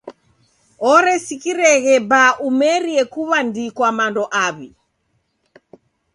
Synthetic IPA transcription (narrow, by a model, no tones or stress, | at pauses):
ɔɾɛsikiɾɛɣɛbaʔumɛɾiɛkuβandikwamandɔʔaβḭ